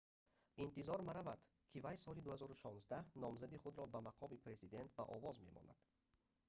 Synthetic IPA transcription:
int̪izɔɾmaɾavad̪̥ | kʰivajsɔlid̪uhazɔɾuʃɔnzd̪ahnɔmzad̪iχud̪ɾɔbamaqʰɔmipʰɾe̞zid̪e̞nt̪̚ba̰ʔɔvɔzme̞̰mɔ̰na̰d̪̥

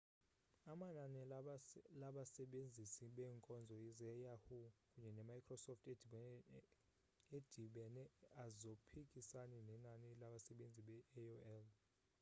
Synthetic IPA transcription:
amananɛ | laɓasɛɓend͡zʱisiɓɛːŋkʼɔnd͡zʱɔizɛjahukʼuɲɛnɛmajkʰʼrɔsɔftʰed̥ʱiɓɛ | ed̥ʱiɓɛnɛazopʰikʼisanɛnɛnanilaɓasɛɓend͡zʱiɓɛɛoɛl

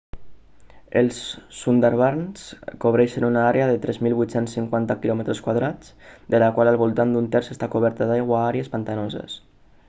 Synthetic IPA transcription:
əlˠsːund̪aɾβaɾnskoβɾɛʃənunaaɾeəðət̪ɾʔɛzmilˠβujt̪sensːiŋkwant̪əkilɔmət̪ɾəskwaðɾat͡sd̪ələkwaləlˠβulˠt̪and̪unt̪ɛɾzəst̪akuβ̞ɛɾt̪əd̪ajɣwaaɾeəspant̪anozə̰s

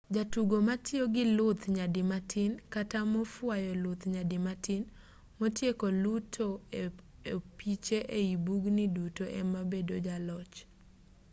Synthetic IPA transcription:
d͡ʒatuɡomatʰɪoɡɪlʊt̪ɲadɪmatʰɪnkatamɔfwajɔlʊt̪ɲadɪmatʰɪn | motjekolutʰoeepit͡ʃeʔeibuɡnɪdutoʔɛmabedod͡ʒalɔt͡ʃ

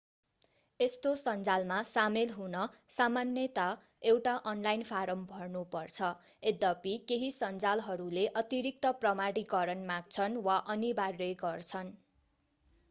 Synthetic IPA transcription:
est̪osʌnd͡zalmasamelɦunʌsamanjʌt̪a | ewʈaʔʌnlajnpʰaɾʌmbʱʌrnupʌrt͡sʰʌ | ed̪ʌpikeɦisʌnd͡zalɦʌɾuleʔʌt̪iɾik̚t̪ʌprʌmaɽikʌɾʌnmaɡ̚t͡sʰʌnwaʔʌnibarːʌjɡʌrt͡sʰʌn

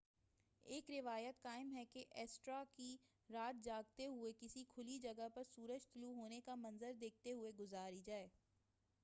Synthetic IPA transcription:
eːkɾɪʋaːjət̪kaːɪmɦɛkeʔɛːsʈɾaki | ɾaːt̪̚d͡ʒaːɡt̪eɦʊekɪsikʰʊlid͡ʒɐɡəpɐɾsuːɾəd͡ʒt̪ʊluɦoːnekamɐ̃nzəɾd̪eːk̚ʰt̪eɦʊeɡʊzaːɾid͡ʒaːeː

